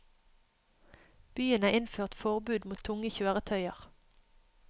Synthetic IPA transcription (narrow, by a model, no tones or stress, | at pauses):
b̥yːənæːʁɪnføːʁt̪fɔʁbʉːd̪muːt̪ʰːʊŋəçøːʁət̪ʰœʏəʁ